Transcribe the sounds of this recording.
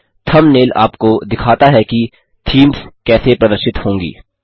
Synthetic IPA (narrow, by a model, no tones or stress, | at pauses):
t̪ʰɐmneːla̰ːpkod̪ɪkʰaːt̪aɦɛki | t̪ʰiːmskɛːsepɾɐd̪əɾʃɪt̪hõːŋɡḭː